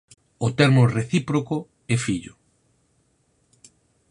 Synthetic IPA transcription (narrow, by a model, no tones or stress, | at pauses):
ʊt̪ɛɾmoreθipɾoko | ɛfiʎʊ̰